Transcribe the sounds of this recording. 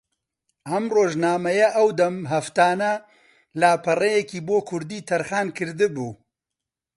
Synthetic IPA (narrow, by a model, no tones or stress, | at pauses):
ʔɐmroːʒnaːmɐjɐʔɐwd̪ɐmɦɐft̪aːnɐ | laːpʰɐrejɛkiːboːkʰʊɾd̪iːt̪ʰɐɾxaːnkʰɨɾd̪ɨbuː